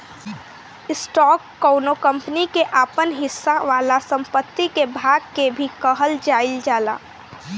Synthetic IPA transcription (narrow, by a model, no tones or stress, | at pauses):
ɪsʈɔːkːɔʊnokə̃mpnikeʔaːpənɦɪsːaʋaːlasə̃mpət̪ːikebʱaːɡkebʱikəɦəld͡ʒaːɪld͡ʒaːla̰ː